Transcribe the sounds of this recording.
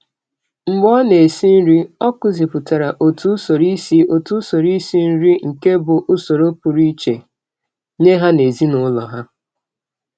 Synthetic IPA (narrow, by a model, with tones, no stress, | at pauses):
m̩˨ɡ͡bɔ˦ne˨si˦n̩˦ɾi˦ɔ˦kʊ˦zi˨pʊ˨ta˨ɾa˨ʔo˨tu˦so˨ɾi˦si˦o˨tu˦so˨ɾi˦si˦n̩˦ɾi˦ŋ̩˨ke˦bʊ˨ʔʊ˦so˨ɾo˦pʊ˨ɾi˦t͡ʃe˨ | ɲe˦ɦa˦ne˨zi˦nʊ˦lɔ̰˨ɦa˦